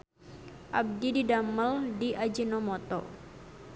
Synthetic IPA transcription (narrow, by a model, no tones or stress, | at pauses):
ʔab̚dididaməldiʔad͡ʒinɔmɔt̪ɔ̰